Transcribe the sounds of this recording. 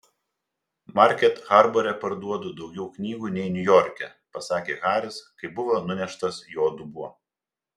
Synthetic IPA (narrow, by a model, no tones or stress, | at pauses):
mɐɾʲkʲɛt̪xɑɾbɔɾʲɛpɐɾd̪uɔd̪ʊd̪ɒʊɡʲɛʊknʲiːɡuːnʲɛɪnʲʊjɔɾʲkʲɛ | pɐsɑːkʲeːɣɑːɾʲɪskɐɪbʊʋɐnʊnʲɛʃt̪ɐsjoːd̪ʊbuɔ